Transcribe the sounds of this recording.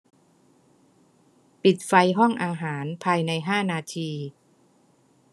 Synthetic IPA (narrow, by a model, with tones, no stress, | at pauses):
pi˨˩t̪̚fa˧jɦɔ˥˩ŋʔaː˧ɦaː˩˦npʰaː˧jna˧jɦaː˥˩naː˧t̪ʰiː˧